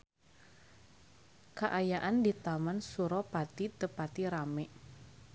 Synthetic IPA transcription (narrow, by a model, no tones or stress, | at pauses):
kaʔajaʔandit̪amansuɾɔpat̪it̪əpat̪iɾamɛʔ